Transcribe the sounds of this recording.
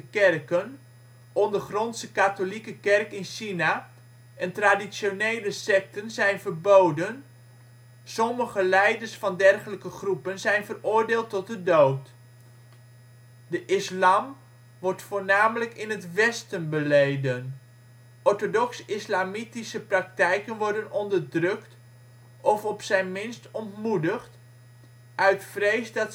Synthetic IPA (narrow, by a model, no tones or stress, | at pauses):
əkɛrkən | ɔndəχrɔnsəkatolikəkɛrkɪnʃina | ʔɛntradisonejləsɛk̚tənzɛjnvərbowdən | sɔməχəlɛjdərsfɑndɛrχələkəχrupənzɛjnvərʊːɹdɪːlˠtːɔt̚dədowt | dəʔɪslaːm | ʋɔɹtfoːɹnaːmələkɪnɦətʋɛstənbəlejdən | ʔɔɹtodɔksɪslaːmitisəprɑk̚tɛjkənʋɔɹdənɔndərdrɵkt | ʔɔfɔpsɛjnmɪnstɔntmudəχt | ʔœɥtfrejsdɑt